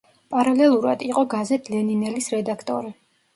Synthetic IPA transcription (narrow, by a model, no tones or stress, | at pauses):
pʼaɾalɛlˠuɾad̪iqʼɔɡazɛt̪ʼʰlɛninɛlisɾɛd̪akʰt̪ʼɔɾi